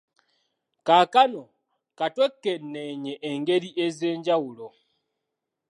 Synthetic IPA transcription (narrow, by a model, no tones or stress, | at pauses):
kaːkano̞ | katwekːenneɲeʔːŋɡe̞ɾiʔeze̞ːɲɟawulo